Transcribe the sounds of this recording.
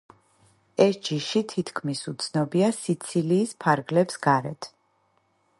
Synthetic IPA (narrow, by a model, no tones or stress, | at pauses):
ɛsd͡ʒiʃit̪ʰit̪ʰkʰmisut̪sʰnɔbiasit̪sʰiliːspʰaɾɡlɛpsɡaɾɛt̪ʰ